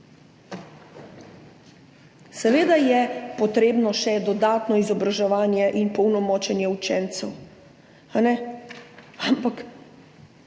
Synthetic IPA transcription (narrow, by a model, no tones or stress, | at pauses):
sɛʋeːd̪ajɛpɔt̪ɾeːbnɔʃɛd̪ɔd̪aːt̪nɔizɔbɾaʒɛʋaːnjɛʔinpɔwnɔmɔːt͡ʃɛnjɛut͡ʃɛːnt̪sɛw | anɛ | ampak